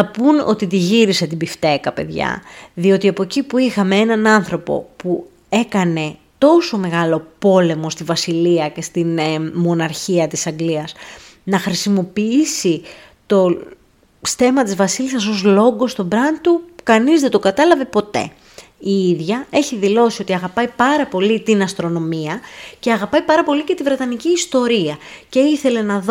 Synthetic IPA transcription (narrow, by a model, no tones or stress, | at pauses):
ɐpuno̞̰t̪it̪iʝiɾise̞t̪ibift̪e̞kɐpe̞̰ðʝɐ̰ðio̞t̪iɐpo̞cipuixɐmeenɐnɐnθɾo̞po̞̰pu | e̞kɐne̞ | t̪o̞so̞me̞ɣɐlo̞po̞le̞mo̞st̪ivɐsiliɐce̞st̪inmo̞nɐɾçiɐt̪isɐŋɡliɐs | nɐxɾisimo̞piisi | t̪o̞ | st̪e̞mɐt̪izvɐsilisɐs̬o̞zlo̞ɡo̞st̪o̞bɾɐnt̪ukɐnizðed̪o̞ɡɐt̪ɐlɐve̞po̞t̪e̞̰ | iiðʝɐe̞çiðilo̞sio̞t̪iɐɣɐpɐjpɐɾɐpo̞lit̪inɐst̪ɾo̞no̞miɐceɐɣɐpɐjpɐɾɐpo̞lice̞t̪ivɾe̞t̪ɐniciːst̪o̞ɾiɐce̞iθe̞le̞nɐð